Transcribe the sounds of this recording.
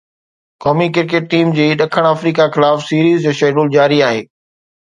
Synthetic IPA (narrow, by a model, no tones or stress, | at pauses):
kɔːmikɪɾkeːʈ̚ːiːmd͡ʑiːɗɐkʰəɽ̃aːfɾiːkaxɪlaːfsiːɾiːzd͡ʑoːʃeːɖoːld͡ʑaːɾiaːɦeː